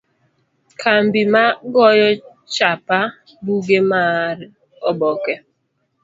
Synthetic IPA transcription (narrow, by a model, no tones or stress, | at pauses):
kʰambimaɡɔjɔ | t͡ʃapa | buɡemaɾ | ɔbɔkɛ